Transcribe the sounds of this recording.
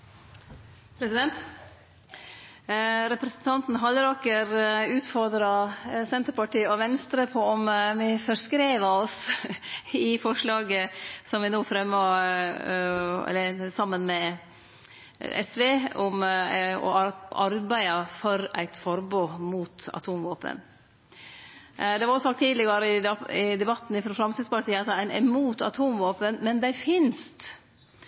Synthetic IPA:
pʰɾɛsɪd̪ɛnt̪ | ɾɛpɾɛsənt̪ʰɑnt̪n̩ɦɑləɾɑːkəɾʉːt̪fɔɾd̪ɾɑsɛnt̪əɾpɑʈiːɔʋɛnst̪ɾəpʰɔɔmʋɪfɔɾskɾeːʋəɔs | ɪfɔʂlɑːɡəsɔmʋɪnoːfɾɛmːoː | ɛ̰lːəɾsɑmːənmɛ | ɛ̰sʋeːɔmɔ̰ɑɾbæɪɑfɔɾæ̰ɪt̪fɔɾboːmuːt̪ɑ̰t̪ʰuːmʋoːpə̰n | d̪ɛʋɑɾɔsɑkt̪ʰːiːd̪lɪɡɑɾəɪɪd̪ɛbɑt̪ːn̩ɪfɾɔfɾɑmsɪspɑlsiːɑt̪æɪnɛ̰muːt̪ɑ̰t̪ʰuːmʋoːpənmɛnd̪æɪfɪnst̪

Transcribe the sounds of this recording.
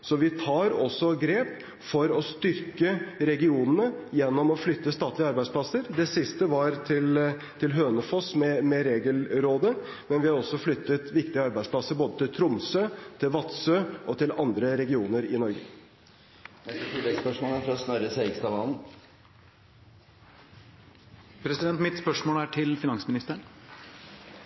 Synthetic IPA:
sɔʋɪt̪ʰɑːɾɔsːɔɡɾeːp | fɔɾɔst̪ʏɾkəɾɛɡɪuːnənəjɛnːɔmɔflʏt̪ːəst̪ɑːt̪ʰlɪəɑɾbæɪspʰlɑsəɾd̪ɛsɪst̪əʋɑɾt̪ʰɪl | t̪ʰɪlɦøːnəfɔsmɛmɛɾeːɡəlɾoːd̪ə | mɛnʋɪhɑɾɔsːɔflʏt̪ːət̪ʋɪkt̪ɪəɑɾbæɪdspʰlɑsəɾboːd̪ət̪ɪlt̪ʰɾʊmsøːt̪ʰɪlʋɑt̪søːʔɔt̪ʰɪlɑnd̪ɾəɾɛɡɪuːnəɾɪnɔɾɡə̰ | nɛst̪ət̪ʰɪlːɛɡspœʂmoːləfɔɾɔsnœɾəsæɪkst̪ɑʋɑːln̩ | pʰɾɛsɪd̪ɛnt̪mɪt̪spœʂmoːlæʈʰɪlfɪnɑŋsmɪnɪst̪əɳ

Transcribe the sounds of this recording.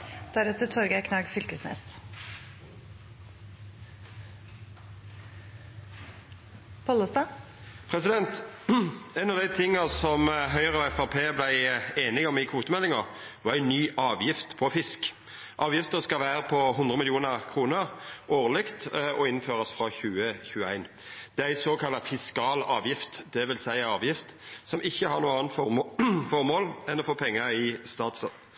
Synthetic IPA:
d̪̥æɾɛt̪ət̪ʰɔɾɡəækʰnɑːɡfʏlkəsnɛ̰s | pʰɔlɔst̪ɑː | pʰʁɛsɪd̪ɛnt̪ | ɛnɑʋd̪æɪt̪ʰɪŋːɑsɔmɦœʏʁəɔɛfɑʁpʰeːblæɪeːnɪɡɔmɪkʰuːt̪əmɛlːɪŋəʁʋɑːʁæɪnyːʔɑːʋjɪft̪pʰɔfɪsk | ʔɑːʋjɪft̪əʁskɑʋæːɾəpʰɔɦʊnd̪ʁəmɪlɪuːnəʁkʰɾuːnəɾʔoːʁlɪkt̪ɔɪnføːɾɑsfɾɑçʉːəçʉːəæ̰ɪn | d̪̥ɛææɪsoːkʰɑlːɑfɪskɑːlɑːʋjɪft̪d̪ɛʋɪlsæɪəɑːʋjɪft̪sɔmɪçːəhɑʁnuːəɑːnt̪fɔmfɔʁmoːlɛnd̪ɔfoːpʰɛŋːəɪst̪ɑːt̪sə

